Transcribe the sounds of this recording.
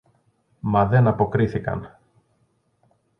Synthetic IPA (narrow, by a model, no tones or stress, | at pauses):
mɐðe̞nɐpo̞kɾiθikɐ̰n